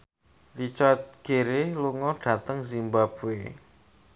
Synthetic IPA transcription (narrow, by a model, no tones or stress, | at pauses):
lit͡ʃat̪̚ɡ̥e̤ɾeluŋɔɖ̥a̤t̪əŋzimbab̥ue